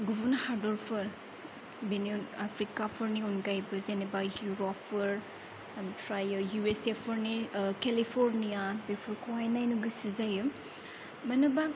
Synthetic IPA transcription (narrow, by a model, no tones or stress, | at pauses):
ɡubunhaɾdɔɾpʰɯɾ | benionapʰɾikapʰɐɾniunɡajbɐzenibajuɾɔpʰɯɾ | tɾajɐjuesepʰɐɾnikelipʰoɾnijabepʰuɾkʰowajnajnuɡɯsizajɯ | mɐnɐba